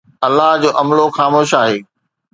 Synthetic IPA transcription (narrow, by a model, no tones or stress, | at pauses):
ɐlːaɦd͡ʑoːʔɐmloxaːmoːʃaːɦeː